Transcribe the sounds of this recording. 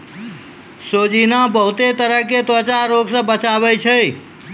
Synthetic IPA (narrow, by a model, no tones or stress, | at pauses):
sod͡ʒinabəɦut̪et̪əɾəɦket̪ət͡ʃaɾoɡsə̃bət͡ʃabɛt͡ʃʰəi